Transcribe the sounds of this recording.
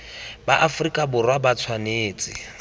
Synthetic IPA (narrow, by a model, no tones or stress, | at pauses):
baʔafrikʼabʊrwabat͡sʰwaneːt͡sʼɪ̰